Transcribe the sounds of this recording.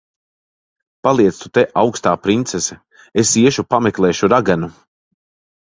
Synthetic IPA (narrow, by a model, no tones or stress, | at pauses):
palˠiɛt̪st̪u̥t̪eʔawkst̪aːpɾint̪sesɛ | esiɛʃupamɛklˠɛːʃuɾaɡanu